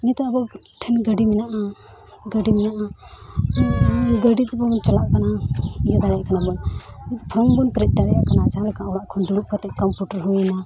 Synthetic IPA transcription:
nit̪ɔabɔ | ʈʰɛnɡəɖimɛnaʔa | ɡəɖimɛnaʔa | ɡəɖit̪bɔbɔnt͡ʃalaʔkanaijad̪aɽɛjaʔkanabɔnnit̪ɔpʰɔnbɔnpɾɛc̚ˀd̪aɽɛjaʔkanat͡ʃaaɽkaɔɽaʔkʰɔnd̪uɽuʔ̚pɔt̪ɛʔ̚kɔmpjuʈəɾɦujna

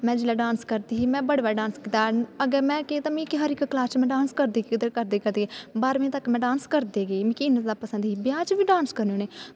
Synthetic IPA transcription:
mɛ̃ːd͡ʒɪlaːɖãːnskəɾd̪iːɦiːmɛ̃ːbəɽʋaːɖãːnskit̪aːəɡəɾmɛ̃ːkeːt̪aːmĩːkiɦəɾɪkklaːst͡ʃmɛ̃ːɖãːnskəɾd̪iːkːd̪əɾkəɾd̪eːkəɾd̪eːɡeːbaːɾmẽːt̪əkmɛ̃ːɖãːnskəɾd̪eːɡeːmĩːkiɪnət̪d̪aːpəsə̃nd̪ɦiːbɪjaːt͡ʃʋiːɖaːnskəɾneoːneː

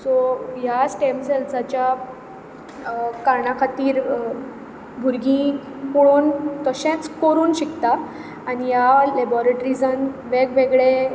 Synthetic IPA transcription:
soɦjasʈemselsat͡ɕja | kaɾɳakʰat̪iːɾ | bʱuɾɡĩ | kuɭoːnt̪əɕẽt͡skoɾuːnɕikt̪aː | ɽ̃ijalebɔɾeʈɾid͡zənʋekʋeɡɭe

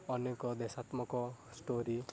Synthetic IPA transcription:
ɔnekɔd̪esat̪mɔkɔsʈoɾi

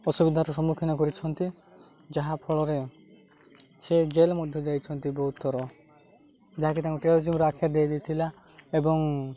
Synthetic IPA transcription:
ɔsubid̪ʱaɾɔsɔmukʰinɔkɔɾit͡ʃʰɔnt̪i | d͡ʒaɦapʰɔɭɔɾe | sed͡ʒelmɔd̪ʱjɔd͡ʒajt͡ʃʰɔnt̪ibɔɦut̪ːɔɾɔ | d͡ʒaɦakit̪ãkuʈed͡ʒimɾakʰjad̪ejd̪et̪ʰila | ebɔŋ

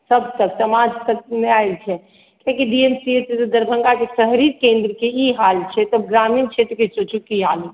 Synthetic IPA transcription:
səbt̪əksəmad͡ʒt̪əmeailt͡ʃʰɛ | kõkiɖiemsiesesed̪əɾbʱə̃ŋɡakesəɦɾiɾkẽnd̪ɾəkeiɦalt͡ʃʰɛt̪əb̚ɡɾamiːnt͡ʃʰet̪ɾəkesot͡ʃʰukiɦaːli

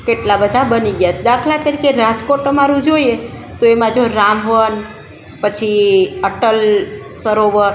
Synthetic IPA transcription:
keʈlabəd̪ʱabəniɡjat͡ʃʰed̪akʰlak̪əɾikeɾad͡ʒkoʈəmaɾũd͡ʒoie | t̪oemãd͡ʒoɾamʋən | pət͡ʃʰiəʈəlsəɾoʋəɾ

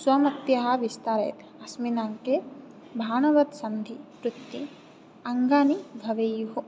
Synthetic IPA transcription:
swɐmɐt̪jɐɦɐʋist̪aɾɐ̰jt̪ | ɐsminaːŋke | bʱaːnɐʋɐt̪sɐnd̪ʱipɾut̪ːi | ɐŋɡaːniɡʱɐʋejuɦu

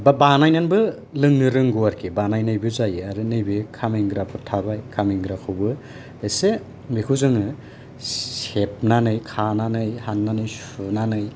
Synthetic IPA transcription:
babanajnanbɯ | lɯŋːɯɾɯŋɡuaɾkʰibanajnɯjbɯzajaɾɯnɯjbikʰamiŋɡɾapʰɯtʰabajkʰamiŋɡɾakʰɯwbɯ | ese | bikʰuzɯŋɯ | sep̚nanɯjkʰananɯjhanːanɯjs | unanɯj

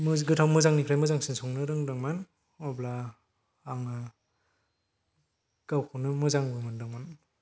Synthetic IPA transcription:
mɯɡɯtʰawmɯzaŋnikʰɾajmɯzaŋsinsɔŋnɯɾɯŋdaŋman | ɔbla | aŋa | ɡ̥awkʰɯnɯmɯzaŋbɯmandɯŋman

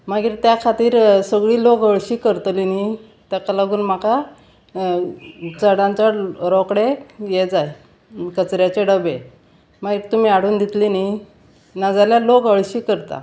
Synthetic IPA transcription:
maɡiːɾt̪jakʰat̪iːɾsəɡɭiːlokəɭɕiːkəɾt̪lini | t̪jakalaɡuːnm̤aka | t͡səɽãɲt͡ɕaɾɔkɽejed͡zaj | kət͡sɾjat͡ɕeɖəbe | maɡiːɾt̪um̤iːaɽuːnd̪it̪lini | nad͡zaljalokəɭɕiːkəɾt̪a̰

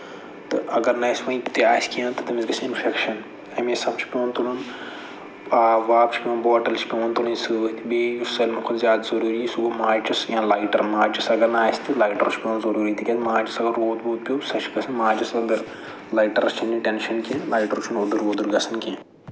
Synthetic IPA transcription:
t̪ɨɐɡɐɾnɐsʲmɐ̃it̪jaːsʲkiɐ̃nt̪ɨt̪ɐmizɡɐsʰiinfʰekʃɐn | ɐmesɐbt͡ʃʰi̥pʲõːnt̪ulun | aːʋaːpt͡ʃʰpʲõːnboːʈɐlt͡ʃʰpʲont̪ulɐ̃nsɨt̪ʰibeːjusɐlʲmɐkʰozjaːd̪ɐzɐɾuːɾisuɡomaːt͡ʃɐsjãːlaːjʈɐ̰ɾmaːt͡ʃɐsɐɡɐɾnaaːsʲt̪ilaːjʈɐɾt͡ʃʰpʲõːnzɐɾuːɾit̪ikʲeːt̪mãːt͡ʃɐsɐɡɐɾːoːd̪boːt̪̚pʲoːsɐt͡ʃʰɡɐsʰɐnmãːd͡ʒɐsɐɡɐɾ | laːjʈɐɾɐst͡ʃʰɐnd͡ʒĩʈenʃɐnkẽlaːjʈɐɾt͡ʃʰunoːd̪uɾoːd̪unɡɐsɐnkʲẽ

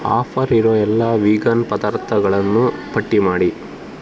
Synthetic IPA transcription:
a̰ːpʰɐɾiɾoːɛlːaʋiːɡɐnpɐd̪aːɾt̪ʰɐɡɐɭɐnːupɐʈːimaːɽi

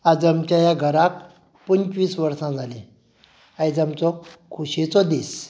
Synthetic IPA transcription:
ad͡zəmt͡ɕjajaɡʱəɾak | pənt͡ɕʋiːsʋəɾsãd͡zʱalẽ | ajd͡zamt͡sɔkʰuɕet͡sɔd̪is

